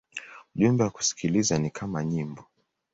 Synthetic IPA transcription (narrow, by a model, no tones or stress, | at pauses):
uʄumbɛwaku̥si̥kʰilizanikʰamaɲimbɔ